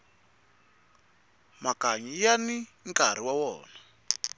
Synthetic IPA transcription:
makaɲijaniŋkaɾ̤iwawɔːna

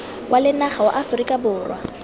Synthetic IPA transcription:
wʔalɪnaχawa̰ʔafrikʼabʊːrwa̰

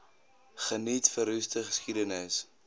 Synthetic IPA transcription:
χənitfəɾystəχəskidənəs

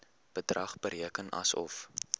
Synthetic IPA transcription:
b̥ədrɐχbəɾiəkənɐ̰sɔ̰f

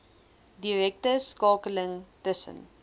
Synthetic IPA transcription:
diɾɛk̚təskɑːkələŋtəsə̰n

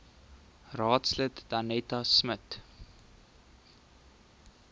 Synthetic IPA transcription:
rɑːtslətd̥ɐnɛtɐsmət

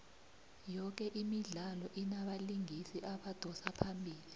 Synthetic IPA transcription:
jɔk̬ɛʔimiɮalɔʔinaɓaliŋisiʔaɓad̥ʱɔsapʰambʱiːli

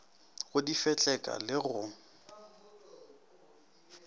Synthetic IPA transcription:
ɣʊdifɛt͡ɬʼɛkʼa̰lɪɣʊ

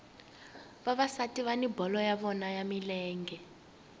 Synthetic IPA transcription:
βaβasatiβanibɔlɔjaβɔnajamilɛːŋɡɛ

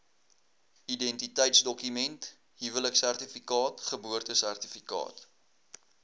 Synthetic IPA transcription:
idɛntitɛjtsdɔkymɛnt | ɦivələksærtifikɑːtχəbuərtəsærtifikɑ̰ːt

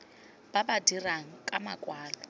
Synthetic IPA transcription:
b̥abadiraŋ̩kʼama̰kʼwaːlɔ

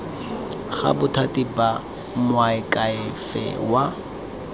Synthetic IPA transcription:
χa̰bʊtʰatʼiba | mwaɪkʼaɪfɛ̰wa

